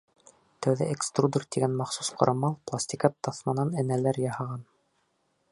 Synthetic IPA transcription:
t̪æwðæʔekst̪rud̪urt̪iɡænmɑχsusqŏɾɑmɑlˠplˠasʲt̪ʲikɑt̪ːɑθmɑnɑnɘ̆nælæɾjɑhɑʁɑn

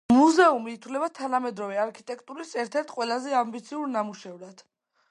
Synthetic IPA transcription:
muzɛumiːt̪ʰvlɛbat̪ʰanamɛd̪ɾɔvɛaɾkʰit̪ʼɛkʰʼt̪ʼuɾisɛɾt̪ʰɛɾt̪ʰqʼwɛlˠazɛambit̪sʰiuɾnamuʃɛvɾad̪̥

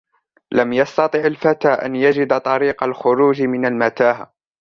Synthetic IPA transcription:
lamjɑst̪ɑt̪ˤɨʕalfat̪aːʔa̰njad͡ʒɪd̪t̪ˤɑɾiːqalxʊɾuːd͡ʒmɪnalmat̪aːha

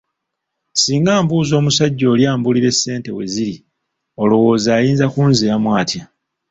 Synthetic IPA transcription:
siːŋɡaːmbuːzo̞ːmusaɟːo̞ːljaːmbuliɾe̞sːe̞ːnte̞we̞ziɾi | o̞lo̞wo̞ːzaːjiːnzakuːnzijamwaːtja

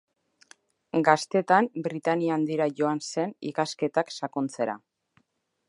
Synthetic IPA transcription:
ɡast̪e̞t̪ambɾit̪aniand̪iɾaʝo̞anse̞nḭkaske̞t̪aksakont͡se̞ɾa̰

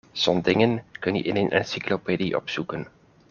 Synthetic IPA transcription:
sɔndɪŋənkənḭʔɪnenʔɛ̰nsiklopediʔɔ̰psukən

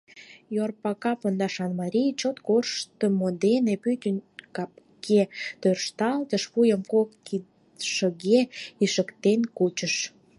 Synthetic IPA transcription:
jorpɑkɑpond̪ɑʃɑnmɑɾʲijt͡ɕot̪korʃt̪əmod̪enepyt̪ʲənkɑp̚ | kʰet̪ørʃt̪ɑlt̪əʃβujəmkokːi | ʃəɣeiʃəkt̪enkut͡ɕəʃ

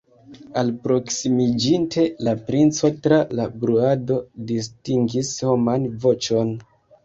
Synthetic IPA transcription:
alpɾo̞ksimid͡ʒintʰe̞lapɾint͡so̞tɾalabɾuado̞dis̬tiŋɡisho̞manvo̞t͡ʃo̞n

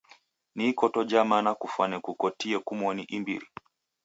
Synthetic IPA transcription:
niːkɔtɔd͡ʒamanakufwanɛkukɔtiɛkumwɔniʔimbḭɾi

